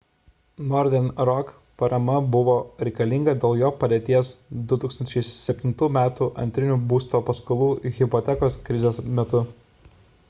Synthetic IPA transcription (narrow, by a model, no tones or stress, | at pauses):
nɔɾʲd̪ʲɛnɾɔk | pɐɾɐmɐbʊʋoːɾʲɛɪkɐlʲɪŋɡɐd̪ʲeːlˠjoːpɐd̪ʲeːt̪ʲiɛsd̪ʊt̪uːksɐnt͡ʃʲɛɪsʲɛpʲt̪ʲɪnt̪uːmʲæːt̪uːʔɐ̰nʲt̪ʲɾʲɪnʲuːbuːst̪oːpɐskɐlˠuːɣʲɪpɔt̪ʲɛkoːskɾʲɪzʲeːsmʲɛt̪ʊ